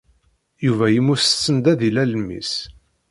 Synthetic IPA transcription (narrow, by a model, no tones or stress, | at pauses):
juvæjəmːust͡sːənd̪æðilæləmːḭs